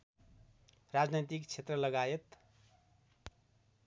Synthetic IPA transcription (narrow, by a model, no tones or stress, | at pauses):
rad͡znʌjt̪ikt͡sʰet̪rʌlʌɡajet̪